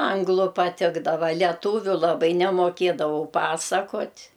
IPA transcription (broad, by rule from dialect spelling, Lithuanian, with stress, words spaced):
ˈɐŋɡlˠʊ pɐˈtʲɪɡdɐʋɐ lʲɛˈtuːʋʲʊ lˠɐˈbɐɪ nʲɛmoːˈkʲeːdɐʋɐʊ ˈpɑːsɐkoːtʲ